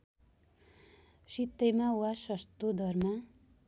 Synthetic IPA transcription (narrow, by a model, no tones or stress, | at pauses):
sit̪ːejmawasʌst̪od̪ʱʌrma